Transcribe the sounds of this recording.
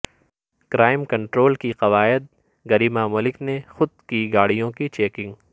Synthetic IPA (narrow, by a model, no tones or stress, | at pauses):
kɾʔaːɪmkɐ̃ɳʈɾoːlkiqɐʋaːɪd̪̚ | ɡɐɾiːmamʊlɪknexʊd̪̚kiɡaːɽijõkit͡ʃeːkɪ̃ŋɡ